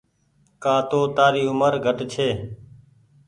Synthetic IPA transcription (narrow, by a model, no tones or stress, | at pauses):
kaːt̪oːt̪aːɾiːʊməɾɡʱəʈt͡ʃʰeː